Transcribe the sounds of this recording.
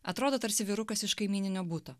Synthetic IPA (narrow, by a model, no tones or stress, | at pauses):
ɐt̪ɾoːd̪oːt̪ɐɾʲsʲɪʋʲiːɾʊkɐsɪʃkɐɪmʲiːnʲɪnʲoːbut̪oː